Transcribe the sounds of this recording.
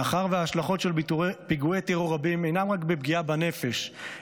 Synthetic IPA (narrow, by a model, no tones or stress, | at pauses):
aχaʁveaːʃlaχo̞tʃe̞lpiɡuet̪eʁoʁabime̞jnamʁakbebɡiabane̞fe̞ʃ